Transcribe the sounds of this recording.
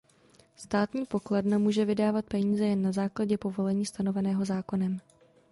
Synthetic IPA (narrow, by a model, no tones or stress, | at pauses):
st̪aːt̪ɲiːpo̞klɛdnamuːʒɛvɪdaːvat̪̚pɛɲiːzɛjɛnːazaːklaɟɛpo̞vo̞lɛɲiːst̪ano̞vɛnɛːɦo̞zaːko̞nɛm